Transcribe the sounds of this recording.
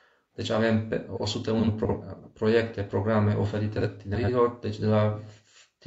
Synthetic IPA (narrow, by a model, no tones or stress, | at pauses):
d̪̥et͡ʃavemposut̪eunppɾojekt̪epɾoɡɾamːeʔofeɾit̪et̪ineɾiɡoɾd̪et͡ʃd̪ela | t̪